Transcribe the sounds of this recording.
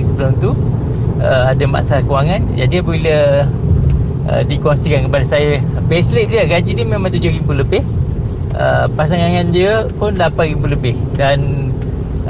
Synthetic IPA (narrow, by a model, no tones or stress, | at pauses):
səbəlʊmt̪u | əadama̰ʔsakuwaŋand͡ʒadiapəbiliə | ə̰dikonsikankəpadasajəpeslep̚diəɡad͡ʒidəmemãŋt̪̬ud͡ʒʊhɾimbuləbɪh | ə̰pas̬aŋaŋandiəpʊndapaʔ̚rimbuləbɪhdan